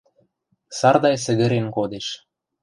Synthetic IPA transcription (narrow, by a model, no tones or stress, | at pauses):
sɑrd̪ɑjsə̆ɣə̆ɾenkod̪eʃ